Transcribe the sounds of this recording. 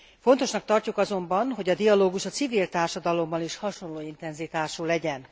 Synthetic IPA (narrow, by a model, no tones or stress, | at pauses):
fo̞nt̪o̞ʃnɒk̚t̪ɒrcukɒzo̞mbɒnɦo̞ɟɒd̪ijɒloːɡuʃɒt̪sivilt̪aːrʃɒd̪ɒlo̞mːɒniʃhɒʃo̞nloːint̪ɛnzit̪aːʃulɛɟɛn